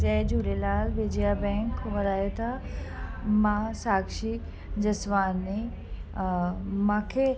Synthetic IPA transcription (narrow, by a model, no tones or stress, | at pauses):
d͡ʑɐd͡ʑuːɾelaːlʋeːd͡ʑijabɛ̃ːŋkʋɐɾaːjot̪ʰa | mãsaːkʃi | d͡ʑɐsʋaːnːi | mãːkʰe